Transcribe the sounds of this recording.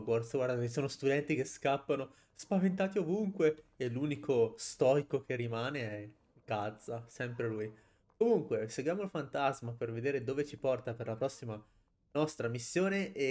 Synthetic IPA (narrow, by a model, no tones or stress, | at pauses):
ɡwɔrsɡwaɾd̪aisoːnost̪ud̪ɛnt̪ikeskapːano | spavent̪aːt̪iovuŋkweːluːnikʰost̪ɔjkokerːimaːneɛ | ɡad̪zːasɛmpɾeluj | komuŋkweseɡwjaːmolfant̪azmaperved̪eːɾed̪oːvet͡ʃipɔrt̪aperlapɾɔsːima | nɔst̪ɾamisːjoːneʔe